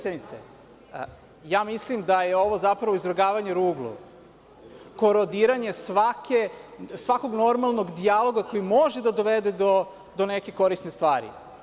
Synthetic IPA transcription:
sed̪nit̪sḛ | jaːmislimd̪aje̞o̞ʋo̞zapɾaʋoizɾoɡaːʋaɲeɾuːɡlˠṵ | ko̞ɾod̪iɾaɲe̞sʋakesʋako̞ɡno̞ɾmalˠno̞ɡd̪ialˠo̞ɡako̞jimo̞ʒed̪ad̪o̞ʋed̪e̞d̪o | d̪oneke̞ko̞ɾist̪nest̪ʋaːɾḭ

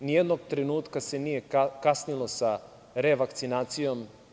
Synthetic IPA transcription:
nijed̪noɡt̪ɾenuːt̪kase̞nije̞kasnilo̞sa | ɾeʋakt̪sinaːt̪sijo̞m

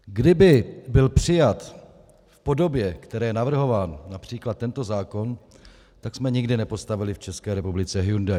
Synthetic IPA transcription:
ɡdɪbɪbɪlpr̝̥ɪjat̪ | fpo̞do̞bjɛkt̪ɛɾɛːjɛnavr̩ɦo̞vaːnːapr̝̥iːklat̪̚ːɛnt̪o̞zaːko̞n | t̪aksmɛɲɪɡdɪnɛpo̞st̪avɪlɪft͡ʃɛskɛːɾɛpublɪt͡sɛɦjunda

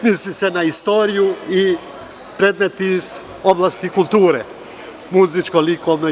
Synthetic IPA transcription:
mislisenaist̪o̞ɾijui | pɾed̪net̪iz | oblˠast̪ikulˠt̪uːɾe | muzit͡ʃkolikoʋno

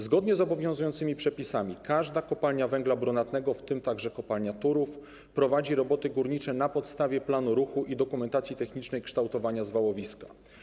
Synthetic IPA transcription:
zɡɔd̪ɲɛzɔbɔvʲjɔ̃w̃zujɔnt̪sɘmʲipʂɛpʲisamʲikaʐd̪akɔpalɲavɛŋɡlabɾunat̪nɛɡɔft̪ɘmt̪aɡʐɛkɔpalɲat̪uɾuf | pɾɔvad͡ʑiɾɔbɔt̪ɘɡuɾɲit͡ʂɛnapɔt̪st̪avʲjɛplanuɾuxuʔid̪ɔkumɛnt̪at̪sʲjit̪ɛxɲit͡ʂnɛjkʂt̪awt̪ɔvaɲazvawɔvʲiska

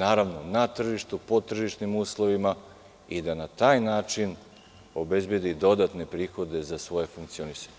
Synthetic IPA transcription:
naːɾaʋno̞nat̪r̩ʒiʃt̪upo̞t̪r̩ʒiʃnimuːslˠo̞ʋima | id̪anat̪aːjnaːt͡ʃin | o̞be̞zbje̞d̪id̪o̞d̪at̪ne̞pɾiːxo̞d̪e̞zasʋo̞je̞fuŋk̚t̪sio̞nisḁɲe

